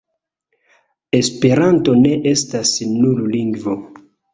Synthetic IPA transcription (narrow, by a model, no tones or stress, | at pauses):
e̞spe̞ɾanto̞ne̞ʔe̞stasnulliŋɡvo